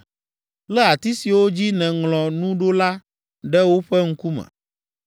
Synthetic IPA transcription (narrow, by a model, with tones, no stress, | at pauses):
lɛ˦a˨t̪i˦si˨wo˦d͡ʑi˦nɛ̃˨ŋlɔ̃˨nũ˦ɖo˦la˦ | ɖɛ˦wo˦ɸɛ˦ŋ̩˦ku˦mɛ̰̃˨